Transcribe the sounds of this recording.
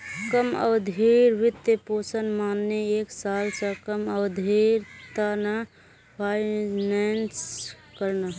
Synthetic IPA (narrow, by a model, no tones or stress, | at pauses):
kəmə̰bd̪ʱiɾʋɪt̪ːepoːsənmaːnːeeːksaːlsəkəməbd̪ʱiɾt̪ana | pʰaɪnɛns | kəɾna